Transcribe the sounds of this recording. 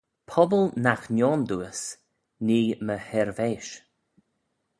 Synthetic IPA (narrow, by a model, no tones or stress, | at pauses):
pʰɔbəlnaxnjɔːnd̪uəs | niːməhɛɾveːʃ